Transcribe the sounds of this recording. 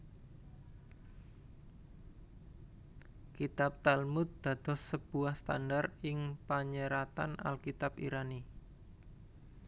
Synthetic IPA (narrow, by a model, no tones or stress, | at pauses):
kit̪ap̚t̪almʊt̪̚d̪̥a̤d̪ɔ̤sːəb̥uahst̪a̰ndarɪŋpaɲəɾat̪anʔa̰lkit̪apḭɾani